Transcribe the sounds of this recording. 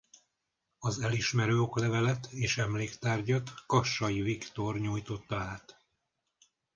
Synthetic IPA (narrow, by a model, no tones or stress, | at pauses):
ɒzɛliʃmɛɾøːoklɛvɛlɛt̪eːʃɛmleːkt̪aːrɟɒt̪kɒʃːɒjivikt̪o̞rɲuːjt̪o̞t̪ːɒaːt̪